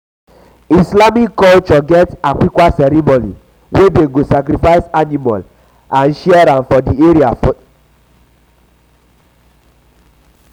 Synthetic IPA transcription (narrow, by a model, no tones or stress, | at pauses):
islamikːɔlt͡ʃɔɡɛtakʷikʷasɛɾimonḭ | wedeɡosakɾifaɪsanimɔ̰l | ãnʃiaɾãnfɔdieɾiaf